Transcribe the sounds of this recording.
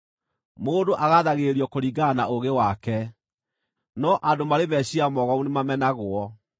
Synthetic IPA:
moːndoʔaɣaðaɣeɾiɔkoɾiɡanaoɣewakɛ | nɔʔadomaɾemɛɕiamɔɣɔunemamɛnaɣwɔ

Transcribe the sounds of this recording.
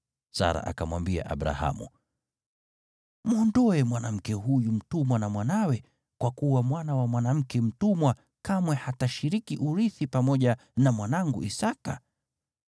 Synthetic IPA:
sa̰ɾa̰ʔa̰kamwambia̰ʔa̰ɓɾa̰ha̰mṵ | muɔndɔɛmwanam̩kɛɦujum̩tumwanamwanawɛ | kwakuwamwanawamwanam̩kɛm̩tumwa | kamwɛhataʃiɾikiʔuɾiθipamɔʄa | namwanaŋɡṵʔisaka̰

